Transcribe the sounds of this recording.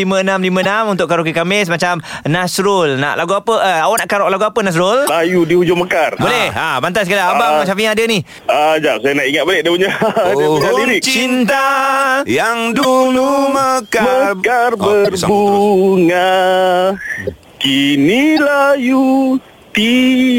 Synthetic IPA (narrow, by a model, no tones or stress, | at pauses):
imənamlimənamunt̪ʊʔkaɾok̬ikamɪs̬mat͡ʃam | nasɾʊlna̰ʔlʔaɡuapəəawanaʔkaɾɔk̚laɡuapənas̬ɾollajudiud͡ʒʊməkarbolɛhabant̪askalaabamat͡ʃamfiɲaadəni | ad͡ʒaʔsajanaʔiŋat̪̚baleʔ̚dauɲaɲadiɾiʔt͡ʃt͡ʃint̪ajaŋduluməkməkarbərbuŋa | kinilaju | t̪i